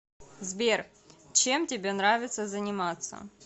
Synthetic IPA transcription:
zbʲer | t͡ɕemtʲɪbʲenɾavʲɪt̪səzənʲɪmat̪sə̰

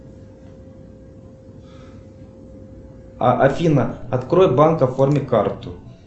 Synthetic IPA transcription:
ʔɐfʲinɐɐt̪kɾojɛbankɐformʲɪkart̪ʊ

